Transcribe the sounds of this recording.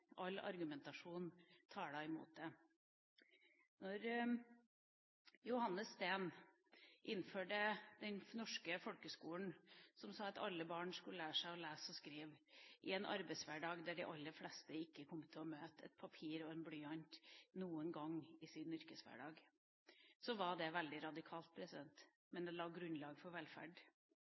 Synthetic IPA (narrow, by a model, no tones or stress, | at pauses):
ʔɑlːɑ̰ɾɡʉmɛnt̪ɑʂuːnt̪ʰɑːɖæɪmṵːt̪̚d̪ɛ | nɔɾ | jʊhɑnːəsst̪eːn | ʔɪnːføːɖəd̪̥ɛnnɔʂkəfɔlkəskuːən̩sɔmsɑːɑt̪ɑlːəbɑːɳʂkʉəlæːʂæɪɔlæːsɔskɾiːʋʔɪɛnʔɑ̰ɾbæɪsʋæɖɑːɡd̪æɖɪʔɑlːəflɛst̪əɪkːəkʰɔmːət̪ʰɪlɔmøːt̪ɛ̰t̪̚pʰɑpʰiːɾɔɛnblyːɑnt̪nuːənɡɑŋɪsɪnːʏɾkəsʋæ̰ɖɑːɡ | sɔʋɑɖ̪ɛʋɛld̪ɪɾɑd̪ɪkʰɑːlt̪̚pʰɾɛsɪd̪ɛnt̪ | mɛnd̪ɛlɑːɡɾʉnlɑːɡfɔɾʋɛlfæ̰ɖ